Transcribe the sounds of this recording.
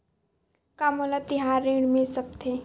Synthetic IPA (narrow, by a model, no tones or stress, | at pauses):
kamolat̪ɪɦaːɾːĩɽmẽsɐb̚t̪ʰeː